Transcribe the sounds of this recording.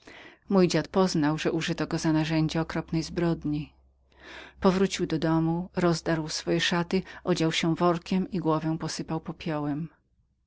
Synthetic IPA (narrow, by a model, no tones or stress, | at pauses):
mujd͡ʑat̪pɔznawʐɛʔuʐɘt̪ɔɡɔzanaʐɛɲd͡ʑɛɔkɾɔpnɛjzbɾɔd̪ɲi | pɔvɾut͡ɕiwd̪ɔd̪ɔmuɾɔzd̪aɾwsfɔjɛʂat̪ɘʔɔd͡ʑawɕɛvɔɾkʲɛmiɡwɔvɛw̃pɔsɘpawpɔpʲjɔwɛm